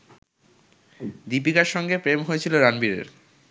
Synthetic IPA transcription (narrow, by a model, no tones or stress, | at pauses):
d̪ipikaɾʃɔŋɡepɾemɦojet͡ɕʰiloɾanbiɾḛɾ